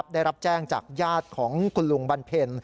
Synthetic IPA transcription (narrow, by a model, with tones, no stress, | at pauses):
p̚daː˥˩jɾa˦˥p̚t͡ɕɛː˥˩ŋt͡ɕa̰ː˨˩k̚jaː˥˩t̪̚kʰɔː˩˦ŋkʰu˧nlu˧ŋba˧npʰe˧n